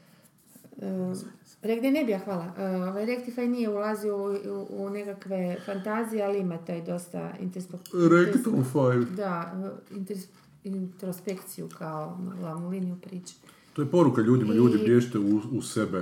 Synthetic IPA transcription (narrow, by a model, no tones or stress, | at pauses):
əɾekd̪enebijaxʋaːlˠaʔoʋajɾekt̪ifajnijeulaziouunekakʋe̞fant̪aːzijealiimat̪aːjd̪o̞st̪a̰ḭnt̪eɾsp̪ok̪ɾekt̪ofajd̪aint̪ | int̪ɾospekt̪sijukʰaom̰lamulinijupɾiːt͡ʃi̥ | t̪ojepo̞ɾukaʎuːd̪imaʎuːd̪ibbjeːʃt̪euusebe